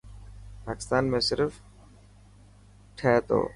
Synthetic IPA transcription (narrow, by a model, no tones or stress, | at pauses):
paːkɪ̥st̪aːnmẽːsɪɾf | ʈʰeːt̪o̰ː